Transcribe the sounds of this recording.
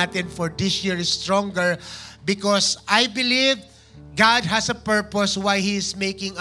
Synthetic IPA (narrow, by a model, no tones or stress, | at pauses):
at̪ɪ̃nfɔɹd̪ɪsjiɹst̪ɹɔ̃ŋɡɛɹbɪkɔsajbɪliv | ɡad̪̚ɦɐsɐpɛɹpɔswajhiɪsmejkɪ̃ŋ